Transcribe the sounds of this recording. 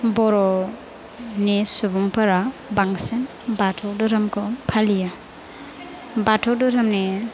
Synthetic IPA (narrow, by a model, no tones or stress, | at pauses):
bɔɾɔ | nesubuŋpʰaɾabaŋsen | batʰɔwdɔɾamkʰɔpʰalija | batʰɔwdɔɾamne